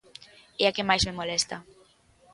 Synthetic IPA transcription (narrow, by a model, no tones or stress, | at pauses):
eakemajzmemolɛst̪a